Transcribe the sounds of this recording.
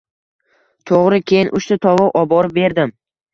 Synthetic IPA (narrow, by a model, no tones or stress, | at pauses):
t̪ʰoʁɾɪkʲʰe̞jɪnʔʊʃt̪at̪ʰɒvɒwʔɒbɒɾɪbe̞ɾd̪ɪm